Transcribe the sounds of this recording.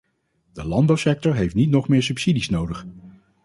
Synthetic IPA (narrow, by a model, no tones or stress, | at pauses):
d̥əlɑndbɑwsɛk̚tɔɹɦejftnitnɔχmɪːɹsʉpsidisnowdəχ